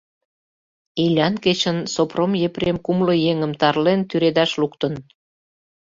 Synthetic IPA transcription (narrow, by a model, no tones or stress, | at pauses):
ilʲɑnket͡ɕənsopromjepremkumlə̆jeŋəmt̪ɑrlent̪yɾed̪ɑʃlukt̪ən